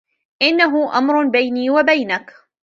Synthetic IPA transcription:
ʔɪnːaɦʊʔa̰mɾʊbajniːwabajnak

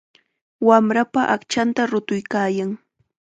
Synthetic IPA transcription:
wamɾapaʔakt͡ʃant̪aɾʊt̪ʊjkaːjaŋ

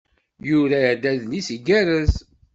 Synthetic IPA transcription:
juɾæd̪æðnisiɡæɾəz

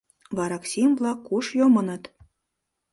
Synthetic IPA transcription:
βɑɾɑksʲimvlˠɑkːuʃjomɤ̆nɤ̆t̪

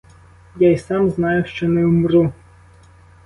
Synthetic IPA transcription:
jaisɑmznɑjʊʃt͡ʃɔnɛʊmru

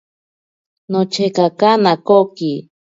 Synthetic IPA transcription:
not͡ʃekakanakoki

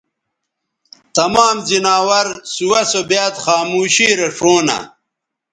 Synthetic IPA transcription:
t̪ɐmaːmzinaːwɐɾsuwɐsobjaːt̪χaːmuːɕiːɾeʂoːnɐ̰

